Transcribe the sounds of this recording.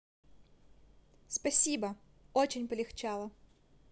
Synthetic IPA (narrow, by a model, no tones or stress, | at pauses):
spɐsʲibɐ | ot͡ɕɪnʲpɐlʲɪxt͡ɕɑlˠɐ